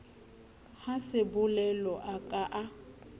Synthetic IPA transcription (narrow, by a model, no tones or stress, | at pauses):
hasɪbʊlɛlɔʔakʼaʔa